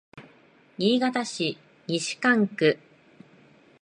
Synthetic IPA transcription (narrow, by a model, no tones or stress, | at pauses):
ɲʲiːɡat̪aɕi | ɲʲiɕi̥kãŋkɯ̟